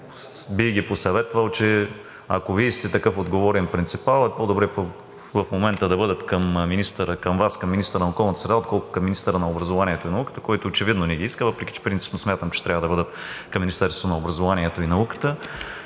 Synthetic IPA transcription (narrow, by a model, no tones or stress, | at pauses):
biɡʲiposɐvɛt̪vɐlˠt͡ʃɛ | a̰koviist̪ɛt̪ɐkɤfod̪ɡovɔɾɛnpɾint̪sipalˠɛpod̪obɾɛpo | vɐfmomɛnt̪əd̪ɐbɤd̪ɐt̪kɐmminist̪əɾəkɐmvaskɐmːinist̪əɾənɐokɔlˠnət̪sɾɛd̪aot̪̚kɔlˠkʊ̥kɐmːinist̪əɾənɐobɾɐzovaniɛt̪oinɐukə̥t̪ə̥kɔjt̪oːt͡ʃɛvid̪nonɛɡiiskəvɤpɾɛkʲi̥t͡ʃɛ̥pɾint̪ipnosmʲjat̪əmt͡ʃɛ̥t̪ɾʲavəd̪ɐbɤd̪ət̪kɐmːinʲist̪ɛɾst̪vonɐobɾɐzovaniɛt̪oinɐukə̥t̪ə